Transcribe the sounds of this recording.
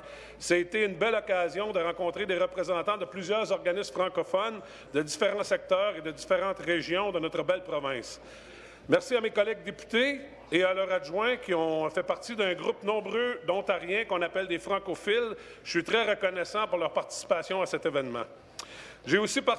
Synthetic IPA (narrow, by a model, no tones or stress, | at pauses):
saet̪eynbɛlɔkazjɔ̃d̪əʁɑ̃kɔ̃t̪ʁed̪eʁəpʁezɑ̃t̪ɑ̃d̪əplyzjœːʁzɔʁɡanɪsmfʁɑ̃kɔfɔn | d̪əd̪ifeʁɑ̃sɛk̚t̪œːʁed̪əd̪ifeʁɑ̃ːt̪ʁeʒjɔ̃d̪ənɔt̪ʁəbɛlpʁɔvɛ̃s | mɛʁsiamekɔlɛɡ̚d̪epy̥t̪eː | alœːʁaʒwɛ̃kʲiɔ̃fɛpaʁt̪id̪œ̃ɡʁupnɔ̃bʁød̪ɔ̃t̪aʁjɛ̃kɔ̃napɛld̪efʁɑ̃kofɪl | əsɥit̪ʁɛʁəkɔnɛsɑ̃puʁlœːʁpaʁt̪i̥si̥pasjɔ̃asɛt̪evɛnmɑ̰̃ | ʒeosipa